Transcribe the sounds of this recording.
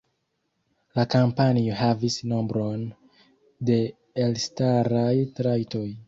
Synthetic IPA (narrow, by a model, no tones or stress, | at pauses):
lakampanioɦavisnombɾon | de̞ː | lstaɾajtɾajto̞j